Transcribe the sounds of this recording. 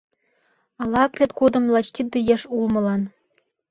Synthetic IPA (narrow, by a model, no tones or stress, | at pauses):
ɑlˠɑkrʲet̪kud̪ɤ̆mlˠɑt͡ɕt̪ʲid̪ɯjĕʂulˠmɤ̆lˠɑn